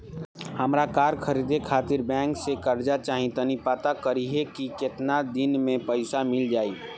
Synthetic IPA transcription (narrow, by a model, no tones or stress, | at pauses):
həmɾakaːɾkʰəɾid̪ekʰaːt̪ɪɾbɛ̃ːŋksekəɾd͡ʒat͡ʃaːɦĩt̪ənipaːt̪akəɾiɦekikɪt̪nad̪ɪnmẽpəɪsamɪld͡ʒaːi